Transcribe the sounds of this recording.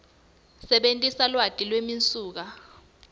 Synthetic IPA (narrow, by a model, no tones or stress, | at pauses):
sɛɓentʼisalwatʼilwemint͡sʼuːk̬a